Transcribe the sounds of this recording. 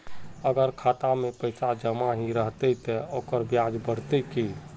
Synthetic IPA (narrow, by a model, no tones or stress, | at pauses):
əɡəɾkʰat̪amepəɪsad͡ʒəmaɦiɾəɦt̪ɛt̪ɛokəɾbjad͡ʒbəɽt̪ɛki